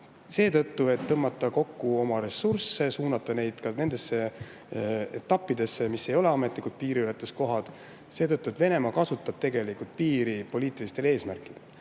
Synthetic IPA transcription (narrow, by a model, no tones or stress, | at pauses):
se̞ːt̪ɤt̪ːue̞t̪ːɤmːɑt̪ːˑɑko̞kːuo̞mɑɾe̞sursːe̞suːnɑt̪ːˑɑne̞jd̪̥kɑne̞nd̪̥e̞sːe̞ | et̪ːˑɑpːid̪e̞sːemisːe̞jo̞le̞ɑmet̪ːˑlikud̪̥̚piːɾiylet̪ːˑust̪̚ko̞ɦɑd̪̥ | se̞ːt̪ɤt̪ːuet̪v̥e̞ne̞mɑkɑsut̪ːˑɑb̥̚t̪e̞ɡe̞likult̪̚piːɾipo̞lʲiːt̪ːˑilist̪e̞le̞ːsmærkˑid̪̥e̞l